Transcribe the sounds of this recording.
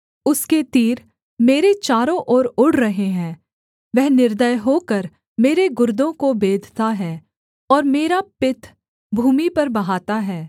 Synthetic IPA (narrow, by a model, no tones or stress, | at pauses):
ʊsket̪iːɾ | meːɾet͡ʃaːɾõʔɔːɾʊɽ̤ɾɐɦeɦɛ̃ː | ʋɛɦnɪɾd̪əjɦoːkɐɾ | meːɾeɡʊɾd̪õkobeːd̪ʱt̪aɦɛː | ɔːɾmeːɾapɪt̪ʰ | bʱuːmipɐɾbɐɦaːt̪aɦɛː